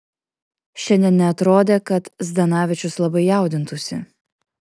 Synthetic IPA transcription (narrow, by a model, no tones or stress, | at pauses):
ʃʲɛnʲd̪ʲɛnnʲɛɐt̪ɾoːd̪ʲeːkɐt̪zd̪ɐnɑːʋʲɪt͡ʃʲʊslˠɐbɐɪjɑˑʊd̪ʲɪnt̪ʊsʲɪ̰